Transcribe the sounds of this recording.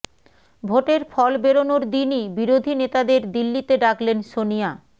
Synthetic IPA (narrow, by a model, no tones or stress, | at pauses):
bʱoʈeɾfʰɔlbeɾonoɾd̪inibiɾod̪ʱinet̪ad̪eɾd̪ilːit̪eɖakʰlenʃonija